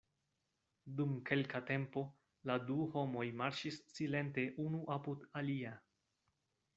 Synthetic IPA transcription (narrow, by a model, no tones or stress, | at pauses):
dumke̞lkate̞mpo̞ | laduho̞mo̞jmaɾʃisːile̞nte̞ʔunuʔapudalia